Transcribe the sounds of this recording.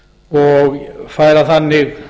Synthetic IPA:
ɔɣfaːjɾaθanːɪɣ

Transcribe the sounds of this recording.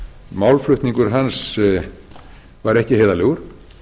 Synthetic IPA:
mawlflʏht̪niŋkʏɾ̥ɦans | vaɾɛhcɪheːðalɛɣʏɾ̥

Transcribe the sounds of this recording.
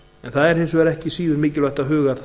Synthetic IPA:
ɛnθaðɛɾhɪnsvɛːɾɛhcɪsiːðʏɾmɪːcɪlœjht̪aðɦʏːɣað

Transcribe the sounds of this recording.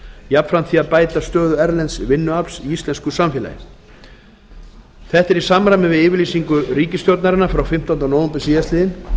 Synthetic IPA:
jap̪fɾamθiːaðpaːjt̪ast̪œːðʏɛɾlɛnt̪svɪnːʏalsiist̪lɛnskʏsamfjɛla̰jɪ̰ | θɛht̪ɛɾisamɾamɪvɪðɪːvɪɾliːsiŋkʏɾiːcɪst̪jɔwɾt̪naɾɪnafɾawfɪm̥t̪ant̪anoːwmpɪsiɛst̪lɪðɪn

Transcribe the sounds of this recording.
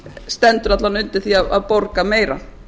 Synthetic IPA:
st̪ɛnt̪ʏɾnat̪lanʏnt̪ɪ̥θiaðaðpɔɾkameːjɾa̰

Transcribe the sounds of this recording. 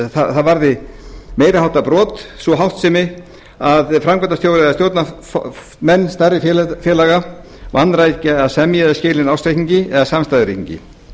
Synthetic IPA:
θaθaðvaɾðɪmeːjɾhawht̪apɾɔːt̪svɔɦawht̪sɛːmɪ | aðfɾamkvɛnt̪ast̪jowɾɪast̪joːwt̪naf | mɛnːst̪aɾɪfjɛfjɛlaɣa | vanːɾajcaðsɛmjɛðɪscɪːlɪnawst̪ɾejhiɲcɪɛɣasamst̪ajðɪɾḭkiɲcɪ̰

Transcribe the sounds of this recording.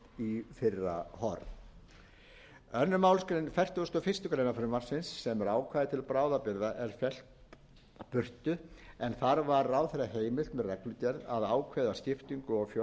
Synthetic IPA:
ifɪrːa̰hɔɾ | œnːʏmaːwlskɾenfɛr̥t̪ʏʏst̪ɔːfɪr̥st̪ʏkɾeːjnafʏɾʏmar̥sɪnsːɛmɛɾaːwkʰvaːjðɪt̪ʰɪlpɾaːwðapɪɾðaʔɛɾ̥fɛl̥t̪ | pʏr̥t̪ʏɛnθaɾvaɾawθɛɾaɦeːjmɪl̥t̪mɛðrɛklʏc̪ɛɾðaðaːwkʰvɛjðascɪft̪iŋkʏɔɣfɔ

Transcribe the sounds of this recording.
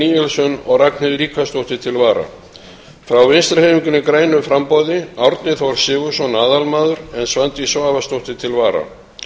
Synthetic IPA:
iːɛlsʏnɔ̰ɣraknɪðɾiːkʰast̪owht̪ɪt̪ʰɪlvaːɾa̰ | fɾawvɪnst̪ɾahejmiŋkʏnɪkɾaːjnʏfɾampɔðɪawɾt̪nɪθawvaɾ̥sɪːɣʏsɔnaːðalmaːðʏɾɛnsvant̪isvaːvast̪owht̪ɪt̪ʰɪlvaːɾa̰

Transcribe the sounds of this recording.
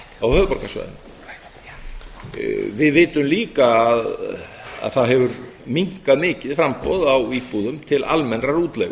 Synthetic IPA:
awhœːðpɔɾkasva̰jðʏ̰m | vɪðvɪːt̪ʏmliːkaːð | a̰ðθaðɦɛvʏɾmiŋ̥kaðmɪːcɪð̥fɾampɔ̰ðawiːpuðʏmt̪ʰɪla̰lmɛnraɾuːt̪lɛ̰ɣ

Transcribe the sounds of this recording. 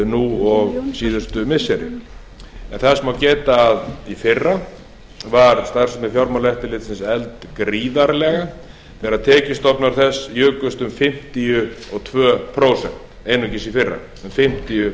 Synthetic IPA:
nuɔɣsiːðʏst̪ʏmɪsːɛɾɪ̰ | ɛ̰nθasmawcɛːt̪aðifɪrːa | vaɾst̪ar̥sʏnɪfjawɾmalɛht̪ɪlɪt̪sɪnsɛlt̪kɾiːðaɾlɛɣa | θɛɾaðt̪ʰɛːcɪst̪ɔpnaɾ̥θɛsjœːkʏst̪ʏmfɪm̥t̪ijʏɔɣt̪ʰvœːpʰɾowsɛ̰n̥t̪ | eːjnʏcɪsifɪrːa̰ | ʏmfɪm̥t̪ijʏ

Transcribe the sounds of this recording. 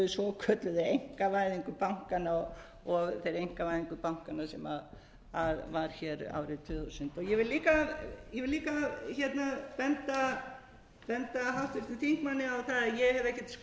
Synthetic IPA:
ʏsvɔkʰœːt̪lʏðaejŋ̥kavaːjðiŋkʏpawŋ̥kanaɔ | ɔɣθejɾejŋ̥kavajðiŋkʏpawŋ̥kanasɛma | aðvaɾ̥çɛɾa̰ːwɾɪt̪ʰvʏːθusʏnt̪ɔjɛvɪlliːkajɛvɪliːkaçɛt̪napɛnt̪a | pɛnt̪aɦawt̪ɪft̪ɪθʰiŋ̥k̚manːɪawθaðaðjɛɣhɛvɛhcːɛt̪s

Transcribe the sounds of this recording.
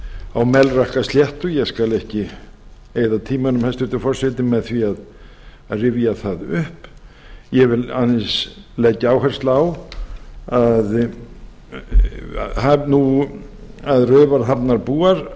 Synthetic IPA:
awmɛlrahkast̪jɛht̪ʏjɛskalɛhcɪ | eːjðat̪ʰiːmanʏmhɛst̪ʏht̪ɪfɔr̥sɪt̪ɪmɛðθviað | aðrɪvjaθaðʏhp | jɛvɪlanːɪslɛcːaawhɛr̥st̪law | að | hanu | aðrœːvaɾ̥ɦapnaɾpuːaɾ̥

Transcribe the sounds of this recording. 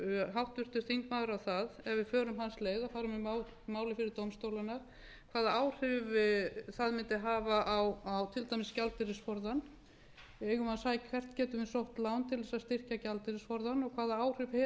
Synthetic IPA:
ɦawht̪vʏr̥t̪ʏɾ̥θiŋkmaːðʏɾawθaðɛvɪfœːɾʏmɦansleːjðafaːɾʏmimaw | maːwlɪfɪɾɪɾt̪owmst̪owlanːaɾ | kʰv̥aːðaaːwr̥ʏvθaðmɪnt̪ɪɦaːvaʔawawt̪ʰɪlt̪ajmɪscalt̪ɪɾɪsfɔɾðan | ɪeːɣʏmaðsaːjakʰvɛr̥t̪cɛːt̪ʏmɪnsowht̪lawnt̪ʰɪlðɛsaðst̪ɪr̥cacalt̪ɪɾɪsfɔɾðanɔɣkʰaːðaaːwr̥ʏvhɛ

